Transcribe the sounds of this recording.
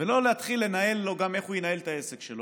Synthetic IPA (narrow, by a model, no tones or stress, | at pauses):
velo̞leat̪χilːe̞nae̞lːo̞ɡameχujenae̞lt̪aesekʃelo